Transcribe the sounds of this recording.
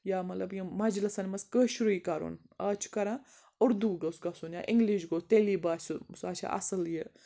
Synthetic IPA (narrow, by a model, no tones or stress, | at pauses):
jaːmɐt̪lɐbjimɐd͡ʒlɨsɐnʲmɐskəːʃuɾiːkɐɾo̰ːn | aːt͡ʃʰkɐɾãː | ʊɾd̪uːɡɐsɡɐsuːnja̰ːʔɪŋɡliʃ̬ɡoːt̪eːliːbaːsɨsaːt͡ʃʰa̰ʔɐ̰sɐljə